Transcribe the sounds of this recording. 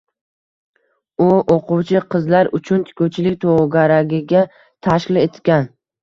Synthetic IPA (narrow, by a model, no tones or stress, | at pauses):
ʊoqʰʊwt͡ʃʰɪqʰɨzlaɾʊt͡ʃʰʊnt̪ʰɪ̥kʰʲowt͡ʃʰɪlɪkʲt̪ʰoʁɡʲaɾaɡʲɪɡʲa | t̪ʰaʃkʲɪlet̪kʲan